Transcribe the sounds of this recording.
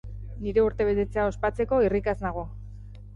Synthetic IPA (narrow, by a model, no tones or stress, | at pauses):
niɾe̞uɾt̪e̞βe̞t̪e̞t͡seao̞spat͡se̞ko̞irikaznaɣ̞o̞